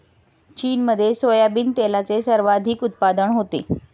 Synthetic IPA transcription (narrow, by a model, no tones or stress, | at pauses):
t͡ɕiːnməd̪ʱːjesojabiːnt̪elat͡sesəɾʋad̪ʱiːkut̪̚pad̪əɳɦot̪ḛ